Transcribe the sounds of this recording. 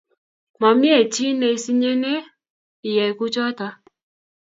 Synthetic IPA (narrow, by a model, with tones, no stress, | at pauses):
mɔ˨mi˦e˨t͡ʃi˦ne˨si˦ɲe˦ne˦ | i˨je˨ku˦t͡ʃɔ˦tɔ˧